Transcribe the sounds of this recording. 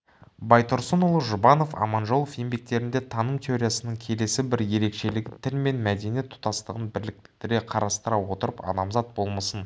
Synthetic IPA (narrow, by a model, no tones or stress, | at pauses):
bɑjt̪ʰʊɾsənʊlˠəʒʊbɑno̞fɑ̰mɑnʒo̞lˠofje̞mbe̞k̚t̪e̞ɾɪnd̪e̞t̪ʰɑnəmt̪ʰʲe̞oɾʲijasənəɴkʲʰe̞le̞sɪbɪɾje̞ɾe̞kʃe̞lɪɡʲɪt̪ʰɪlme̞nmæd̪e̞nije̞t̪ʰːʊ̥t̪ɑst̪əʁənbɪɾlɪk̚t̪ɪ̥t̪ɪɾeqʰɑɾɑst̪əɾɑwo̞t̪əɾəpɑ̰nɑmzɑt̪̚bo̞lˠməsən